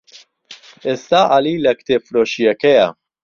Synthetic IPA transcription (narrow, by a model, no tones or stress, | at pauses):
ɪst̪ɐʔɐliːlɛkt̪ɪfɾʊʃjɛkɛjɐ